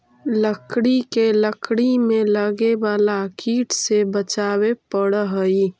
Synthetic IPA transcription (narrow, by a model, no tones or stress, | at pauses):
ləkɽikeləkʰɽimẽləɡebaːlakiːʈʰsebət͡ʃaːwepəɽɦəi